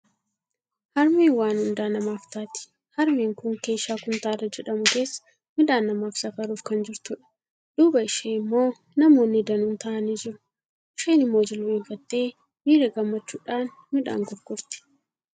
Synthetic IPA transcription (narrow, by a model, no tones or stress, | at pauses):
hɐɾmiːwaːnhʊnd̪aːnɐmaːft̪aːt̪ɪ̥ | hɐɾmiːŋkʊŋke̞ːʃaːkʊnt̪aːrːɐd͡ʒɛᶑɐmʊke̞ːsːɐ̥ | mɪᶑaːnːɐmaːfsɐkɐɾuːfkɐnd͡ʒɪɾt̪ʊᶑɐ̥ | ᶑ̥uːbɐɪʃeːɪmːo̞ː | nɐmo̞ːnːɪd̪ɐnʊnt̪aːʔɐniːd͡ʒɪɾʊ̥ | ʔɪʃeːnɪmːo̞ːd͡ʒɪlweːɱfɐt̪ːe̞ː | miːɾeːɡɐmːɐt͡ʃːuːᶑaːn | mɪᶑa̰ːŋɡɔɾkʊɾt̪ɪ̥